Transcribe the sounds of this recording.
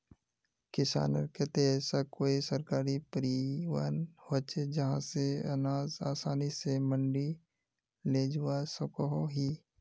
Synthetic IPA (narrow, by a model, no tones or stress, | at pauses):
kɪsa̰ːnə̰ɾket̪eɛsakoːisɐɾkaːɾipəɾiwa̰ːnhot͡ʃed͡ʒɐɦãseɐ̰naːzaːsaːnisemə̃ɳɖi | leːd͡ʒuwasəkoɦoɦiː